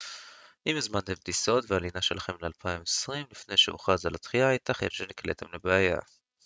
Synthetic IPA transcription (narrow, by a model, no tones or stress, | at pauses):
ʔimezmant̪e̞md̪iso̞tvealinaʃelaχe̞mlealpʰaimesʁimlifne̞jʃeo̰χazalat̪χiajt̪aχḛnʃeniklet̪ʰemlebeaja̰